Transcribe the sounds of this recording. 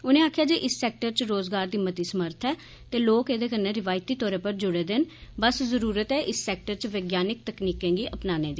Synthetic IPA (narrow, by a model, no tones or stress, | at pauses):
ʊnẽːaːkʰjaːd͡ʒeːʔɪsːɛːk̚ʈəɾt͡ʃɾoːzɡaːɾd̪iːmət̪iːsəməɾt̪ʰɛː | t̪eːloːkeːd̪eːkənːeːɾɪʋaːjɪt̪iːt̪ɔːɾeːpəɾd͡ʒʊɽeːd̪enbəszəɾuːɾət̪ɛːʔɪsːɛːk̚ʈəɾt͡ʃʋeːɡjaːnɪk̚t̪əkniːkẽːɡiːʔəpnaːnẽːd̪iː